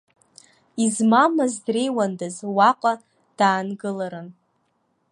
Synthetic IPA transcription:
izmamazdre̞jwandazwaqʷʼa | d̥aːnɡɨlaɾɨn

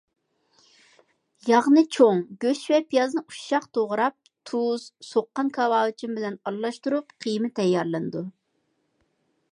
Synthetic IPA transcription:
jɑʁnɨt͡ʃʰoŋɡʲøʃvɛpʰijɑznɨuʃːɑqt̪ʰoʁɾɑp̚ | t̪ʰuz̥soqːɑnkʰɑwɑːwɨt͡ʃʰimbɪlɛnɑlːˠɑʃt̪uɾupqʰijmɪt̪ʰɛjːɑɾlˠɨnɨd̪u

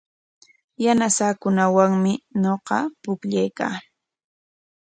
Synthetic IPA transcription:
janasaːkʊnawaŋmɪɲoqɑpʊkʎajkaː

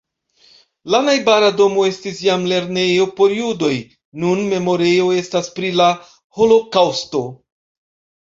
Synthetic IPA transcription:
lanajbaɾado̞mo̞e̞stisjamle̞ɾne̞jo̞po̞ɾijudo̞j | nunme̞mo̞ɾe̞jo̞e̞staspɾila | ho̞lo̞kawsto̞

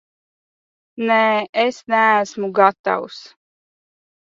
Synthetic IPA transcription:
nɛːesnææsmuɡat̪a̰ws

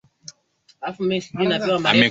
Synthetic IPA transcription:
afumɛsdinapɛwama

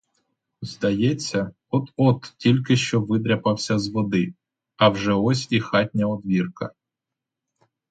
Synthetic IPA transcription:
zd̪ɐjɛt͡sʲːɐ | ɔt̪ɔt̪tʲilʲkɪʃt͡ʃɔʋɪd̪ɾʲɐpɐwsʲɐzʋɔd̪ɪ | ɐwʒɛɔsʲixɑt̚ʲnʲɐɔd̪ʋʲirkɐ

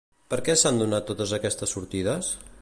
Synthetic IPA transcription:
pəɾkɛsand̪unat̪ːot̪əzəkɛst̪əsːuɾt̪iðəs

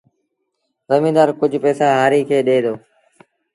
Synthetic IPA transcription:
zəmĩːd̪aːɾkʊd͡ʒʱpɛːsaːɦaːɾiːkʰeːɗeːd̪oː

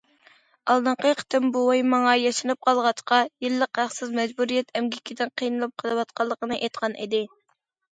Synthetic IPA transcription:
ɑlˠd̪ɨɴqəqʰə̥t̪ɪmbuwjmɑŋɑjɑʃinɨp̚qʰɑlˠʁɑt͡ʃqɑjilːəqhæχsɪzmɛd͡ʒbuɾijɛt̪ʰɛmɡʲikʲʰid̪ɪnqʰijnɨlˠɨp̚qʰəlˠɨwɑt̪̚qʰɑlˠːəqənɨʔejt̪qʰɑnʔḭd̪ɪ

